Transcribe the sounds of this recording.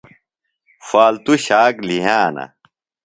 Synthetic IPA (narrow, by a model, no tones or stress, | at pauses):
faːlt̪uɕaːkliɦaːnɐ̰